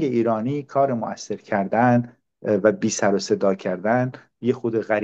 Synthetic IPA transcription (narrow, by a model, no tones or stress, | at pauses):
eiːɾɒːniːkʰɒːɾemo̰ʔæsːe̞ɾcʰæɾd̪æn | væbiːsæɾose̞d̪ɒːcʰæɾd̪æn | jexod̪eɣæɾ